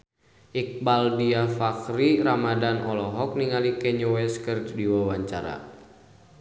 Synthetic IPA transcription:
ʔik̚baldiafakɾiɾamadanɔlɔɦɔk̚niŋalikɛɲɔwɛskərddiwawaɲt͡ʃa̰ɾa̰

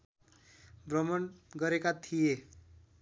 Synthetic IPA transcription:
brʌmʌnɡʌɾekat̪ʰije

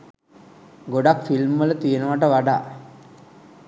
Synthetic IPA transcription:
ɡoɖakfilmʋələt̪ijənəʋaʈəʋaɖa̰ː

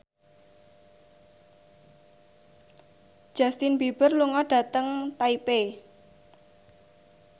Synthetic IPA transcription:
d̥ʒ̥a̤st̪ɪnbib̥ərluŋɔɖ̥ä̤t̪əŋt̪aipe

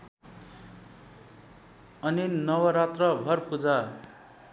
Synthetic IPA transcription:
ʌninʌwʌɾat̪rʌbʱʌrpud͡za

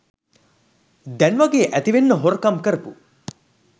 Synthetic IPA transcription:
d̪ɛnʋaɡeːʔæt̪iʋenːəɦoɾəkamkəɾəpu

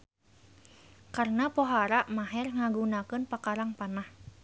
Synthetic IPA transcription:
kaɾənapoɦaɾaʔmaɦɛrŋaɡunakɨnpakaɾaŋpanah

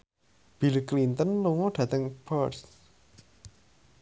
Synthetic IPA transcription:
b̥ilklint̪ənluŋoɖ̥ä̤t̪əŋpɔs

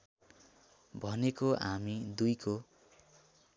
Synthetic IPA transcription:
bʱʌnekoʔamid̪ujkʰo

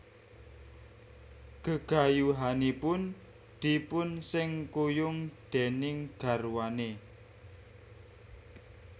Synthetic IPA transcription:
ɡ̥əɡ̥a̤juɦanipʊn | d̪̥ipʊnsɪŋkujʊŋd̪̥e̤nɪŋɡ̥ä̤rwane

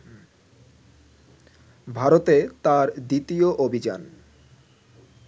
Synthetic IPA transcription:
bʱaɾot̪et̪aɾd̪it̪ioʔobʱid͡ʑa̰n

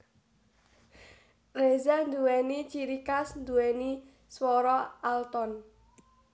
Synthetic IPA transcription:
rezand̪uwɛnit͡ʃiɾikasnd̪uwɛni | swɔɾɔalt̪ɔn

